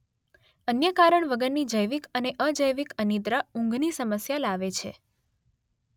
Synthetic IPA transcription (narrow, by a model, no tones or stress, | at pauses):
ənjəkaɾəɳʋəɡəɾnid͡ʒəjʋikəneʔəd͡ʒəjʋikənid̪ɾaũŋɡʱnisəməsjalaʋet͡ʃʰḛ